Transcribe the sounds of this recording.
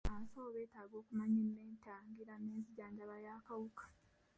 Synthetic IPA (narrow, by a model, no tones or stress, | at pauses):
aːsoːβe̞ːtaːɡo̞ːkumaɲinːe̞ːntaːŋɡiɾaneːnziɟaːɲɟaβajaːkawukḁ